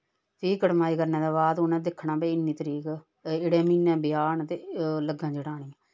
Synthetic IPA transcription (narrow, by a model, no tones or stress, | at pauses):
ʈʰiːkəʈmaːiːkəɾnẽːd̪ãːbaːd̪ʊnɛ̃ːd̪ɪkʰːɳãːbeːɪnːiːt̪əɾiːk | ɪɽẽːmiːnɛ̃ːbɪjaːnt̪eːləɡãːd͡ʒəɽaːɽ̃iːɛː